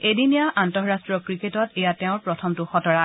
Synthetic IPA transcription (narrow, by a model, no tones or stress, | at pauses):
edinijaʔantɔɹɹastɹɔkɹiketɔtejatɛʊ̃ɹpɹɔtʰɔmtʊxɔtɔɹa